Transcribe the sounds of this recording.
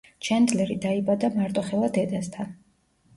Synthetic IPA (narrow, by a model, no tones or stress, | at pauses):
t͡ʃʰɛnd̪lɛɾid̪aibad̪amaɾt̪ʼɔχɛlˠad̪ɛd̪ast̪ʰan